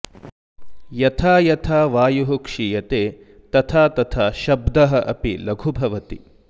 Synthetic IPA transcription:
jɐt̪ʰaːjɐt̪ʰaːʋaːjuɦukʂijɐt̪eː | t̪ɐt̪ʰaːt̪ɐt̪ʰaːʃɐbd̪ɐɦɐʔɐpilɐɡʱubʱɐʋɐt̪i

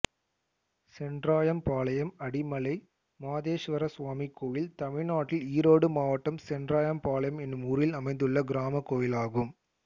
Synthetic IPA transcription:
sɛnɖraːjɐmpaːlɐjɐmɐɽɪmɐlɐɪ | maːðeːʃʋɐɾɐsʋaːmikːoːjɪlt̪ɐmɪɻnaːʈːɪliːɾoːɽɯmaːʋɐʈːɐmsɛnɖraːjɐmpaːlɐjɐmɛnːɯmʊɾɪlɐmɐɪnd̪ɯɭːɐɡɪɾaːmɐkːoːjɪlaːɣɯm

